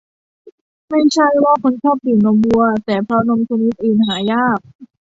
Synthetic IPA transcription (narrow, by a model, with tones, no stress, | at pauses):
ma˥˩jt͡ɕʰa˥˩jwaː˥˩kʰo˧˥nt͡ɕʰɔː˥˩p̚di˨˩no˧mbu˧ɐt̪ɛː˨˩pʰɾɔ˦˥no˧mt͡ɕʰa˧ni˦˥t̪̚ʔɯː˨˩nɦaː˩˦jaː˥˩k̚